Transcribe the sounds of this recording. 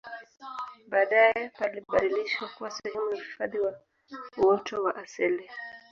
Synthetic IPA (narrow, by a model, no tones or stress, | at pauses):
ɓaːɗajɛpaliɓaɗiliʃwakuwasɛhɛmunafi̥faðiwa | uwɔtɔwaʔasili